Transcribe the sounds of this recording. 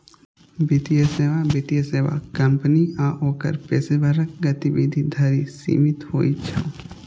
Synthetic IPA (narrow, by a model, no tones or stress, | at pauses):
bit̪ijeseːʋabit̪ijeseːʋa̰kɐmpniaːʔoːkə̰ɾpeːsebʱɐɾək̚ɡɐt̪iʋiːd̪ʱid̪ʱɐɾisḭːmɪt̪ho̰ːit͡ʃʰa̰